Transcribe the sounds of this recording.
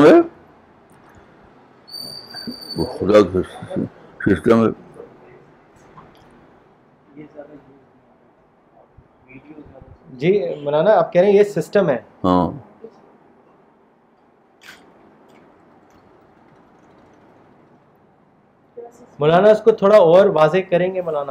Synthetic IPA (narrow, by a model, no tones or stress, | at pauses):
ɦɛ | xʊd̪ak | sɪsʈəmɦɛː | d͡ʒiːmʊlaːnaaːp̚kɛːɾẽɦẽjesɪsʈəmɦɛːɦãː | mʊlaːnaʊskot̪ʰoːɽaɔːɾʋaːzekɐɾẽːŋɡemʊlaːna